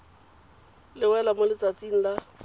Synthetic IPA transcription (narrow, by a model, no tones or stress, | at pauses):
lɪwɛlamʊlɪt͡sat͡sʼiŋ̩la